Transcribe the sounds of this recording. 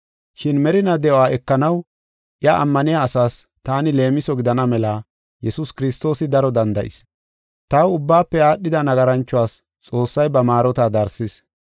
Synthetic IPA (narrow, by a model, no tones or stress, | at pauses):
ʃɪnmɛɾɪnɐd̪ɛʔɔaːɛkːɐnɐw | ʔɪjɐʔɐ̰mːɐnɪjaːsaːst̪aːnɪle̞ːmɪsɔɡɪd̪ɐnɐmɛlɐ | jɛsʊskɪɾɪst̪oːsɪd̪ɐɾɔd̪ɐnd̪ɐʔɪ̰s | t̪ɐwʊbːaːpːɛaːɗːɪd̪ɐnɐɡɐɾɐnt͡ʃːʊwaːs | t͡sʼo̞ːsːɐjbɐmaːɾɔt̪ad̪ɐɾsɪs